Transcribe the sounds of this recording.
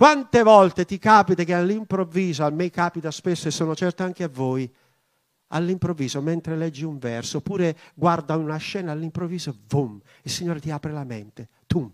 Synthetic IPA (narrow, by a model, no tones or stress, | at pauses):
kwant̪evɔlt̪et̪ikaːpit̪ekealːimpɾovːiːzoamːekaːpit̪aspesːoesːoːnot͡ʃɛrt̪oaŋkeavːoːj | a̰lːimpɾovːiːzomɛnt̪ɾelɛd͡ʒːiuɱvɛrsopuːɾeɡward̪aunaʃːɛːnaːlːimpɾoviːzovum | ilsiɲːoːɾet̪iaːpɾelamḛnt̪e | t̪um